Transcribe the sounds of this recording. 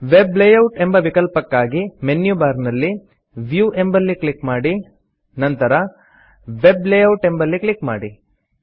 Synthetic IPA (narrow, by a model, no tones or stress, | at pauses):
ʋeblejɐwʈe̞mbɐʋikɐlpɐkːaːɡimenjubaːɾnɐlːi | ʋjuʔe̞mbɐlːikɭikmaːɽi | nɐnt̪ɐɾɐ | ʋeblejɐwʈe̞mbɐlːiklikma̰ːɽi